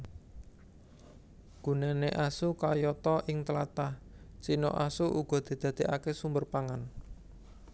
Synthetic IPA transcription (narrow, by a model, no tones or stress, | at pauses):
ɡ̥uneneʔasukajɔt̪ɔʔɪŋt̪əlat̪aht͡ʃino̰ʔasuʔuɡ̥ɔ̤d̪̥i̤d̪̥a̤d̪̥e̤ʔakesumbərpaŋan